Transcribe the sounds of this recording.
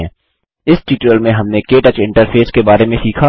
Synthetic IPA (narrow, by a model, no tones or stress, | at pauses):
ɛ̃ː | ɪsʈiːʈɾəlmẽɦɐmnekeːʈət͡ʃɪ̃ɳʈəɾpʰeːskebaːɾemẽsiːkʰa